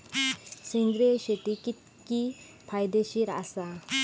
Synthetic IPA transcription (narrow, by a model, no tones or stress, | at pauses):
siŋɡɾeɕeʈikit̪̚ | ki | pʰajd̪eɕiɾa̰sa